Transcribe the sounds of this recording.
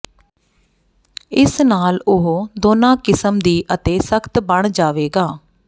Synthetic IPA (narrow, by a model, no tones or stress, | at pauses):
ɪsnaːlʊɦd̪oːnãːkɪsəmd̪iːʔət̪eːsəkʰt̪bəɳ̃d͡ʒaːʋeːɡaː